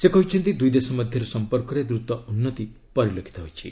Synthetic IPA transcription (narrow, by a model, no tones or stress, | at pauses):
sekɔɦit͡ʃʰɔnt̪id̪ujd̪esɔmɔd̪ʱjɔɾesɔmpɔɾkɔɾed̪ɾut̪ɔunːɔt̪i | pɔɾilokʰi̥t̪ɔɦojt͡ʃʰḭ